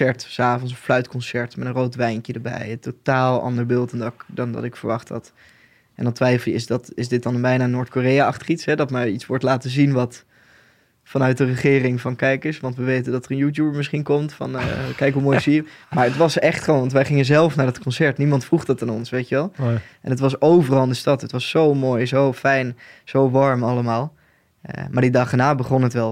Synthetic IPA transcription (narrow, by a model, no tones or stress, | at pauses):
ɛɹtsaːvɔns̬ɔflœɥtkɔnsɛɹtmɛtə̃nrowtʋɛjnkjədəɹbɛ̰jəntotaːlˠɑ̰ndəɹbɪlˠtɛndɑkdɑndɑ̰tɪkfəɹʋɑχtɑ̰t | ʔɛ̰ndɑntʋɛjflˠɪsdɑtɪsdɪt̚dɑnbɛjnaːnoːɹtkoːrejaɑχtə̥χitsɦɛdɑtmɛjitsʋɔɹtlaːtəzinʋɑt | fɑnœɥt̚dərəχɪːrɪŋvɑnkɛjkɪsʋɑntʋəʋejtəndɑtərənjuːt̬jubəɹmɪsχinkɔmtfɑ̰nkɛjkɦumojzimaːɹətʋɑsɛχtχəʋonʋɑntʋɛjχɪŋənzɛlˠfnaːɹdɑtkɔnsɛɹtnimɑntfruχdɑtaːnɔnsʋejtəʋɛlˠʔɛ̰nətʋɑs̬owvərɑlˠndəstɑtɦətʋɑsːowmoːjzowfɛjnz̥owʋɑɹmɑlˠəmaːl̰ˠ | maːɹdidɑχdənaːbəχɔnətʋɛlˠ